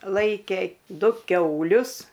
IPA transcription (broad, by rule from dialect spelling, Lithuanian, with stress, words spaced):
ˈlˠɐɪkʲeː ˈdʊ ˈkʲɛʊlʲʊs